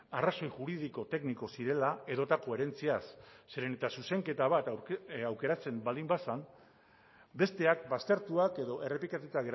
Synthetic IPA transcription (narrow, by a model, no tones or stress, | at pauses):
araso̞jʝuɾiðiko̞t̪e̞kniko̞siɾe̞laeðo̞t̪ako̞e̞ɾe̞nt͡siasːeɾenet̪asuse̞ŋke̞t̪aβ̞at̪awke̞ɾat͡se̞mbald̪imbasan | be̞st̪e̞ak̚bast̪e̞ɾt̪uake̞ðo̞ʔe̞re̞plikat̪ut̪aɣeɾ